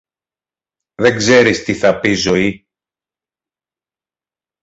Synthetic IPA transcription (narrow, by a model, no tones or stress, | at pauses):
ðe̞ŋɡze̞ɾist̪iθɐpizo̞i